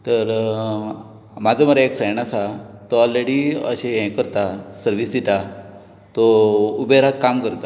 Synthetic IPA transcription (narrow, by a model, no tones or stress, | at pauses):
t̪əɾ | mad͡zʱaməɾaekfɾɛɳɖasat̪ɔɔlɾeɽiə̰ɕẽɦɛ̃kəɾt̪asəɾʋisd̪it̪a | t̪ɔubeɾakːamkəɾt̪a